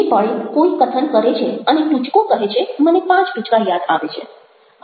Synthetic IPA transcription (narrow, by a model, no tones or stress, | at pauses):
pəɭekoikət̪ʰənkəɾet͡ʃʰeəneʈut͡ʃkõkəɦet͡ʃʰemənepãt͡ʃʈut͡ʃkajad̪a̰ʋet͡ʃʰḛ